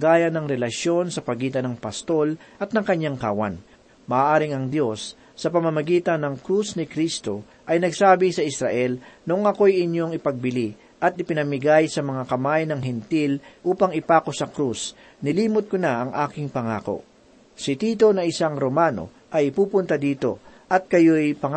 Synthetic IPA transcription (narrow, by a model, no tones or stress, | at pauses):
ɡaːjɐnɐŋɾɛlɐsjo̞nsɐpɐɡiːt̪ɐnɐŋpɐst̪o̞lʔɐt̪̚nɐŋkɐɲːaŋka̰ːwa̰n | mɐʔːʔaːɾɪŋɐŋd̪jo̞sː | ɐpɐmɐmɐɡiːt̪ɐnːɐŋkɾusnɪkɾist̪o̞ | ʔɐjnɐɡsaːbisɐʔɪsɾɐ̰ʔɛlnoŋɐko̞jɪɲjo̞ŋɪpɐɡ̚bɪli | ʔɐt̪̚ɪpɪnɐmɪɡajsɐmɐŋakɐmaːjnɐŋɦɛnt̪ilʔuːpɐŋɪpaːko̞sɐkɾus | nɪliːmʊt̪̚kʊnaʔɐŋʔaːkɪŋpɐŋaːko̞̰ | sɪt̪iːt̪̬o̞nɐʔɪsaŋɾomaːno̞̰ | ʔɐjɪpuːpʊnt̪ɐd̪iːt̪o̞ | ʔɐt̪̚kɐjojpɐŋ